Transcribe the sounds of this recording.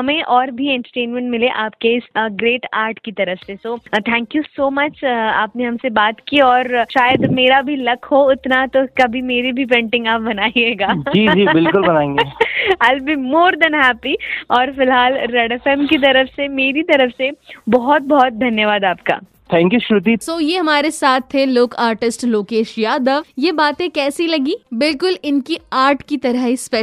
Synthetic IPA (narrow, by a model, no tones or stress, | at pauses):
ɦɐmẽʔɔːɾbʱiɛ̃ɳʈəɾʈẽːnmɛ̃ɳʈmɪleʔaːp̚keɪsɡɾeːʈaːɾʈkit̪ɐɾəfsesoːt̪ʰɛ̃ːŋkjusoːmɐt͡ʃa̰ːpneɦɐmsebaːt̪kiɔːɾʃaːjəd̪meːɾabʱilɐkhoɪt̪nat̪okɐbʱimeːɾibʱip̬ẽːɳʈɪ̃ŋɡaːp̚bɐnaːieːɡaːd͡ʒiːd͡ʒiːbɪlkʊlbɐnaːẽːŋɡeɐlbimoːɾd̪ɐnɦɛːpiɔːɾfɪlɦaːlɾɛɖɛfɛːmkit̪̬ɐɾəfsemeːɾit̪ɐɾəfsebɔɦɔt̪̚bɔɦɔt̪̚d̪ʱɐnjəʋaːd̪aːp̚ka̰ː | t̪ʰɛ̃ːŋkjuʃʊɾʊt̪̬isoːjeɦɐmaːɾesaːt̪ʰːeloːkaːɾʈɪsʈloːkeːʃjaːd̪əʋjebaːt̪ẽkɛːsilɐɡiːbɪlkʊlɪnkiaːɾʈʰkit̪ɐɾəɦispe